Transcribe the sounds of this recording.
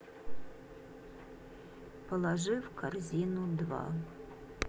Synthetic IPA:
pəlˠaʐɨfkʰarzʲinud̪vɑ̰

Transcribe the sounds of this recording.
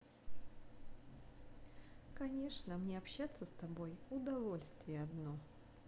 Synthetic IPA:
kɐnʲe̞ʂnəmnʲeɐpɕːat̪səst̪ɐbo̞jʊd̪ɐvo̞lʲst̪vʲɪjəɐd̪no

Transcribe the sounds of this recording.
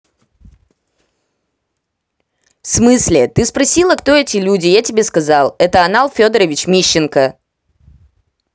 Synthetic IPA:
fsmɨsʲlʲɪt̪ɨspɾɐsʲilˠəkt̪o̞ɛtʲɪlʲudʲɪjatʲɪbʲeskɐzalˠɛt̪əɐnalˠfʲo̞d̪əɾəvʲɪt͡ɕmʲiɕːɪnkə

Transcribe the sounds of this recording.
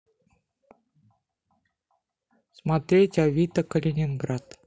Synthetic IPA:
smat̪ɾʲetʲavʲit̪əkəlʲenʲɪnɡɾat̪

